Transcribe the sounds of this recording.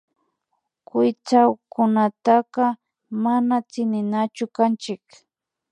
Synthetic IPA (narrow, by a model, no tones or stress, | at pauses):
kʊjt͡sawkʊnat̪aqɑ | manat͡sɪnɪnat͡ʃʊkant͡ʃɪk